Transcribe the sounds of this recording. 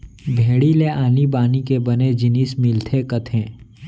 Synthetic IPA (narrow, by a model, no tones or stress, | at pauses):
bʱeːɽileʔaːnibaːnikebɐned͡ʒɪniːsmɪlt̪ʰekɐt̪ʰẽː